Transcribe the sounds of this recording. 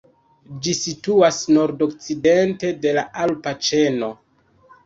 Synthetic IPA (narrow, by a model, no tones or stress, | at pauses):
d͡ʒisituasno̞ɾdo̞kt͡side̞nte̞de̞laʔalpat͡ʃe̞no̞